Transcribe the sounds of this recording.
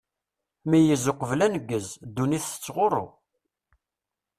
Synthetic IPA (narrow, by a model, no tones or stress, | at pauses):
mijəzʊqəvlænəɡːəzd̪ːuniθə̥t͡sːʁoɾˤo̰